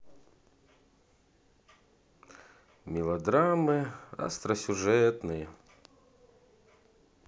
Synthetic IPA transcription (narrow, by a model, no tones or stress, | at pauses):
mʲɪlˠɐd̪ɾamɨɐ̰st̪ɾɐsʲʊʐɛt̪nɨjə